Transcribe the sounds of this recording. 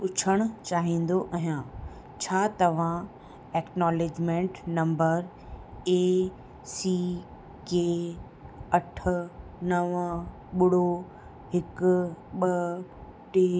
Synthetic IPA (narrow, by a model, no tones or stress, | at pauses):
ʊt͡ɕʰəɽ̃ʊ̆t͡ɕaːɦĩːn̆d̪oʔɐɦjãː | t͡ɕʰaːt̪ɐʋ̤ã | eːknɔːleːd͡ʑmẽːɳʈnɐ̃mbəɾ | eː | siː | keː | ɐʈʰʊ̆nɐʋ | ɓʊɽo | ɦɪkʊɓɐ | ʈeː